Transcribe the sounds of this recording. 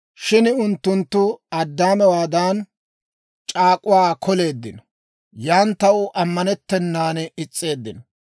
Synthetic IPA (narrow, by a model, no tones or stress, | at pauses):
ʃɪnʊnt̪ːʊnt̪ːʊɐd̪ːaːmɛwaːd̪aːn | t͡ʃʼaːkʼʊwaːkʰɔle̞ːd̪ːɪnɔ | jaːnt̪ɐwʊʔɐmːɐnɛt̪ːɛnːaːnɪt͡sʼːe̞ːd̪ːɪnɔ